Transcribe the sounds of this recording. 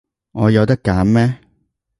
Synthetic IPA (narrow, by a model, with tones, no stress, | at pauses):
ŋɔː˨˧jɐ˨˧wt̪ɐ˥kːaː˨˥mːɛː˥